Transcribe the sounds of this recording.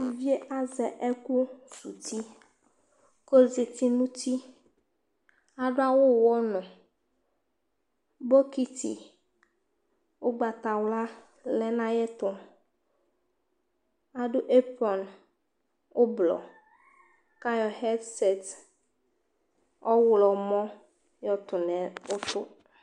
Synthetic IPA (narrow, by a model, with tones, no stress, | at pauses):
u˨vi˦e˦ʔa˦zɛ˨ʔɛ˦ku˦su˨t̪i˦ | ko˦ze˨t̪i˦nũ˦t̪i˦ | a˨ɖo˦a˦wo˦wɔ˦nɔ̃˨ | bo˦ki˦t̪ḭ˨ | wo˦ɡ͡ba˨t̪a˨wla˦ | lɛ˦nã˦jɛ˦t̪ʊ˦ | a˨ɖʊ˦ʔe˦pɔ˨n | o˦blɔ̰˨ | ka˦jɔ˨hɛ˦dsɛ˨t̪ | ɔ˦wlɔ˨mɔ̃˦ | jɔ˦t̪ʊ˨nɛ̃˨o˦t̪ʊ˦